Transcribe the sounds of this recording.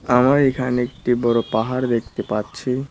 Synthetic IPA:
amaɾekʰaneek̚ʈibɔɾopaɦaɾd̪ekt̪epatːɕʰi

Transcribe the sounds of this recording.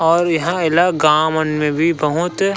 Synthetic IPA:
ɔːɾjɐɦãɪlaɡaːmənmẽbʱibɐɦʊt̪

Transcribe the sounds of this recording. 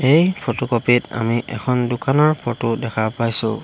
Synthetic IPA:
ejpʰotokopita̰miʔɛ̰kʰɔndʊkanɔɹpʰɔtʊdɛkʰapajsʊ̰̃

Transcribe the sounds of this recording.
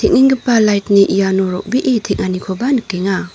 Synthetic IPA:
tʰek̚niŋɡɯpːalajtniʔijanɔɾɔk̚biʔitʰek̚ŋʔanikʰɔbanikːeŋa

